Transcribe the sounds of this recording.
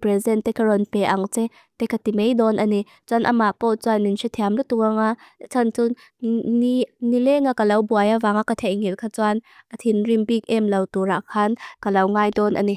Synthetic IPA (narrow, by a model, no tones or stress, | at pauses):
pɾɛzɛnt̪ɛkaɾɔnpɛʔaŋt͡sɛ | t̪ɛkat̪imejdɔnʔani | t͡swanʔa̰mapɔt͡swaninsit̪ʰiamlut̪uŋat͡sʰant͡sun | inilɛŋakalɐwbuajavaŋaʔkat̪ʰɛjŋilkʰat͡suanʔat̪ʰinrimpik̚ʔɛmlɐwt̪uɾaʔkʰɐnkalɐwŋajdɔnʔa̰ni